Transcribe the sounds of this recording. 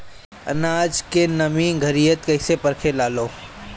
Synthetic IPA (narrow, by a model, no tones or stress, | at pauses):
ɐ̰naːd͡ʒkenɐmĩːɡʱɐɾijət̪kɐɪsepɐɾkʰelaːloː